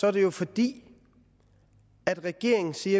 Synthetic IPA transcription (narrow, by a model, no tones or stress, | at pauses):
sɒɐd̥e̝jo̝fɒd̥ḭː | æd̥ʁɛɡ̥e̝ɐ̰e̝ŋn̩siːɐ